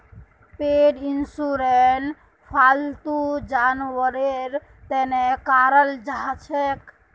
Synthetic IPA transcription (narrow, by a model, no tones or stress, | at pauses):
peɖinsuɾen | pʰalt̪ud͡ʒanʋəɾeɾ | t̪ɛnekaɾəld͡ʒaɦt͡ʃʰek